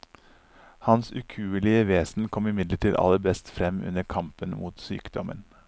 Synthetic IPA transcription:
hɑnsʉkʰʉːəlɪəʋeːsn̩kʰɔmɪmɪd̪ləʈiːd̪ɑ̰ləɾbɛst̪fɾɛmʉ̰nəɾkʰɑmpənmuːt̪sy̰ːkd̪ɔmə̰n

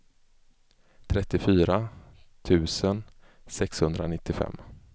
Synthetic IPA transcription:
t̪ʰɾɛt̪ːɪfyːɾat̪ʰʉ̟ːsən | sɛkshɵnd̪ɾanɪt̪ːɪfɛ̰mː

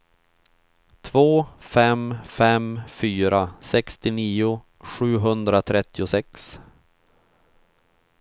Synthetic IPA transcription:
t̪ʰvoːfɛmfɛmfyːɾasɛkst̪ɪniːʊ | ɧʉ̟ːɦɵnd̪ɾat̪ʰɾɛt̪ːɪʊsɛks

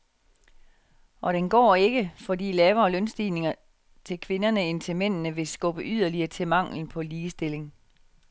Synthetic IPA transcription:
ʔɒ̽ɾ̥enɡ̥ɒ̰ːe̝ɡ̥əfɒ̽dḭːlɛːʊɐːlœnsd̥iːne̝ŋɐ | t͡sʰe̝lkʰʋe̝nɐnəe̝nt͡sʰe̝men̰nəʋe̝sɡ̥ɔ̽b̥əʔyð̰ˠɐliɐːt͡sʰe̝mɑ̈ŋ̰ln̩pʰɒ̽liːsd̥e̝le̝ŋ

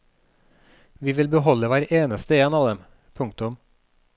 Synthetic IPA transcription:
ʋiːʋɪlbəɦɔləʋæːɾeːnəst̪əeːnɑːʋd̪ɛm | pʰʊŋkt̪ʊm

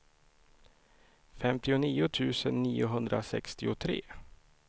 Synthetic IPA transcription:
fɛmt̪ɪʊniːʊt̪ʰʉ̟ːsənːiːʊɦɵnd̪ɾa̰sɛ̰kst̪ɪʊt̪ʰɾḛː

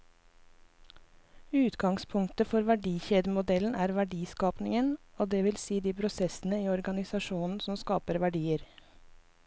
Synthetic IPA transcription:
ʉːt̪ɡɑŋspʰʊŋt̪əfɔɾʋæɖiːçeːd̪əmʊd̪ɛln̩ʔæːɾʋæɖiːskɑːpnɪŋənoːd̪eːʋɪlsiːd̪iːpʰɾʊsɛsn̩əiːɔɾɡɑnɪsɑʃuːnn̩sɔmskɑːpəɾʋæɖiːəɾ

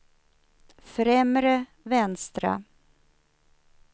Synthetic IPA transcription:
fɾɛmɾə | vɛnst̪ɾa̰

